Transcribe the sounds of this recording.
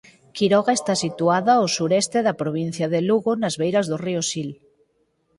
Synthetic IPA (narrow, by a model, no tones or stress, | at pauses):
kiɾɔɣaest̪asit̪uaðaosuɾɛst̪eðapɾoβ̞in̟θjaðeluɣonazβejɾazðoriosil